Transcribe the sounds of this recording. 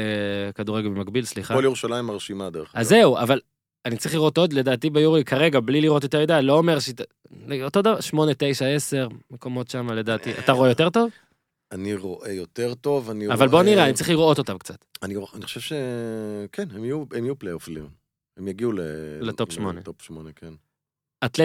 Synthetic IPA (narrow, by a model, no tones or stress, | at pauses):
kaduʁeɡabemaɡbilsliχaoljuʁuʃalaimaʁʃimad̪eʁeazze̞uʔa̰val | anit͡saʁiχliʁot̪o̞d̪le̞daːt̪ibejuʁikʰaʁe̞ɡabliliʁo̞t̪̬jo̞t̪e̞jed̪ajlo̞omeʁʃet | leotodavaʃmo̞ne̞t̪e̞jʃae̞se̞ʁmeko̞mo̞t̪ʃamale̞d̪aːt̪iʔa̰t̪aʁo̞ejo̞t̪e̞ʁt̪o̞v | aniʁoʔejot̪eʁto̞vaniavalbo̞niʁeanitt͡saʁiχliʁo̞to̞t̪avkt͡sat̪anioaniχoʃev̥ʃekʰenhemijuemjuplejoflḭ | hemjaɡiulelet̪o̞pʃmo̞net̪opʃmoneken | at̪le